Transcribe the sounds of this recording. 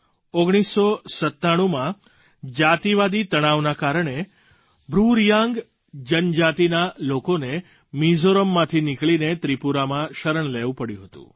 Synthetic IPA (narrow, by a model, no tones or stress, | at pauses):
oɡɽ̃isːosət̪ːaɽ̃ũmã | d͡ʒat̪iʋad̪it̪əɽ̃aʋnakaɾəɳe | bʱɾuɾjãŋɡ | d͡ʒənd͡ʒat̪inalokone | mizoɾəmːãt̪ʰinikɭinet̪ɾipuɾamãʃəɾəɳleʋũpəɽjṵ̃ɦət̪ṵ̃